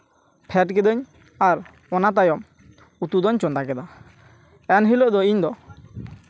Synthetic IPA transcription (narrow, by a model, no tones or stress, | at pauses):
pʰɛʈkɛd̪ɔɲ | aɾ | ɔnat̪̬ajɔm | ut̪ud̪ɔɲt͡ʃɔnɖ̪akɛd̪a | ɛnɦilɔʔd̪ɔiɲd̪ɔ